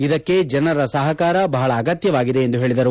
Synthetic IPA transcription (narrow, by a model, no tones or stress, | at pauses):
id̪ɐkːe̞d͡ʒɐnɐɾɐsɐɦɐkaːɾɐbɐɦɐɭɐːɡɐt̪jɐʋaːɡid̪e̞ːnd̪uɦe̞ːɭid̪ɐɾu